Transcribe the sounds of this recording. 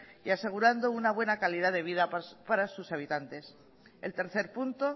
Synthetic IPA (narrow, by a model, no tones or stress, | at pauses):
iase̞ɣ̞uɾand̪o̞unaβ̞we̞nakalið̞aðe̞βiðapaɾasusaβ̞it̪ant̪e̞s | elt̪e̞ɾθe̞ɾpunt̪o̞